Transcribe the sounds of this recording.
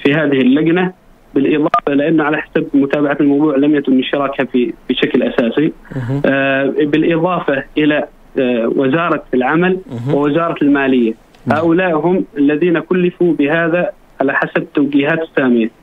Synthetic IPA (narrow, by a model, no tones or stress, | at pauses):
fiɦaːðɪhɪlːaɡna | bɪlʔɪðˤɑːfalɪʔanːʊʕalaħḁsabmʊt̪aːbaʕat̪lmɑwðˤuːʕlamjakʊnːɪʃɪɾˤɑːkhafib̥ɪʃaklʔa̰saːsi | bɪlʔɪðˤɑːfaʔɪla | wɪzɑːɾˤɑɪlʕamalwɪwɪzɑːɾˤɑlmaːlɪjːa | haːʔʊlaːʔɦʊmalːaðiːnakʊlːɪfubɪhaːða | ʕalaħasab̚t̪awɡiːhaːt̪ɪ̥sːaːmɪja